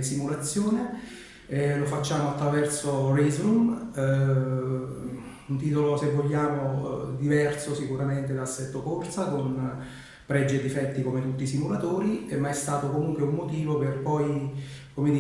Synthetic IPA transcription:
simulat̪sːjoːne | lofat͡ʃːaːmoat̪ːɾavɛrsorɛzɾum | unt̪iːt̪olosevːoʎːaːmod̪ivɛrsosikuɾament̪ed̪asːɛt̪ːokort̪sakon | pɾɛd͡ʒːed̪ːifɛt̪ːikomet̪ut̪ːisimulat̪oːɾiemːaɛst̪aːt̪okomuŋkweumːot̪iːvoperpɔjkomed̪i

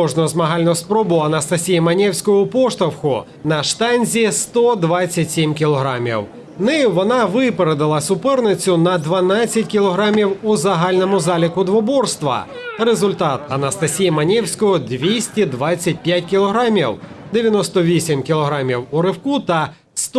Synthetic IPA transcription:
ɔʒnʊzmɐɦɑlʲnʊspɾɔbʊɐnɐst̪ɐsʲijimɐnʲɛwsʲkɔjʊpɔʃt̪ɐwxʊ | nɐʃt̪ɑnʲzʲist̪ɔd̪ʋɑt͡sʲːɐtʲsʲimkʲilˠɔɦɾɑmʲḭw | nɪjʊʋɔnɑʋɪpeɾed̪ɐlˠɐsʊpɛrnɪt͡sʲʊnɐd̪ʋɐnat͡sʲːɐtʲkʲilˠɔɦɾɑmʲiwʊzɐɦɑlʲnɔmʊzɑlʲɪkʊd̪ʋɔbɔrst̪ʋɐ̰ɾezʊlʲt̪ɑt̪ɐnɐst̪ɐsʲijimɐnʲɛwsʲkɔjʊd̪ʋʲisʲtʲid̪ʋɑt͡sʲːɐt̚ʲpʲjatʲkʲilˠɔɦɾɑmʲiwd̪ejɐnɔst̪ɔʋʲisʲimkʲɪlˠɔɦɾɑmʲiwʊɾɪwkut̪ɐ | st̪

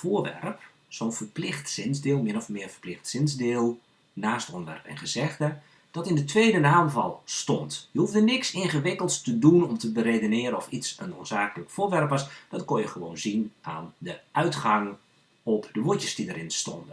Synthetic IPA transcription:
foərʋɛ̰rəp | sonfərplɪxtsɪnzdɪːlˠmɪənɔfmɪəfə̥rplɪxtsɪnzdɪːlˠ | naːstɔndəʋɛ̰rpɛ̰nχəzɛɣdə | d̥ɔtɪndətʰʋeːdənaːmvɑ̰lˠstɔntjəɦufdənɪksɪnɣəʋɪkəlˠtstədunɔmtəbəɾedonɪːɾənɔfitsənoːnz̥aːkələkfʊːʋɛrpəsd̥ɔtkonjəxəʋoːnzinaːndəʔœɥtχaŋ | ɔpdəʋutəsdidəɾɪnstɔ̰ndə

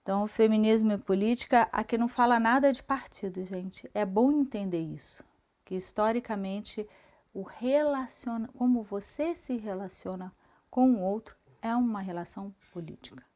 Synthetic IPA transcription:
ẽt̪ɐ̃w̃ʊfemĩnizmʊɪpolit͡ʃi̥kɐʔa̰kɪnɐ̃w̃falɐnad̪ɐd͡ʒɪpaɾt͡ʃid̪ʊʒẽnt͡ʃɪɛbõw̃ẽnt̪ẽnd̪eɾisʊ̥ | kɪist̪ɔɾikɐmẽnt͡ʃɪ | ʊhelasionɐkõmʊvosesɪɦelasiõnɐ | kõw̃ũowt̪ɾʊ | ɛũmɐɦelasɐ̃w̃polḭt͡ʃi̥kɐ̥

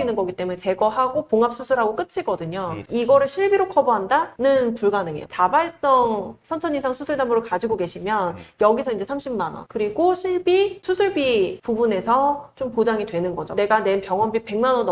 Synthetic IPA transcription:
inɯnɡʌɡit͈e̞munet͡ɕe̞ɡʌɦaɡopoŋap̚s͈usʰuɭɦaɡok͈ɯt͡ɕʰiɡʌdɯɲoiɡʌɾɯɭɕʰiɭbiɾokʰʌboɦandanɯnpuɭɡanɯŋḛjo̰tabaɭs͈ʌŋsʰʌnt͡ɕʰʌnisʰaŋsʰusʰuɭdamɯɾokad͡ʑiɡoke̞ɕʰimjʌnjʌɡisʰʌind͡ʑe̞sʰamɕʰimmanʌ̰nkɯɾiɡoɕʰiɭbisʰusʰuɭbipubune̞sʰʌt͡ɕompod͡ʑaŋidwe̞nɯnɡʌd͡ʑo̰ne̞ɡane̞npjʌŋwʌnbipe̞ŋmanʌn

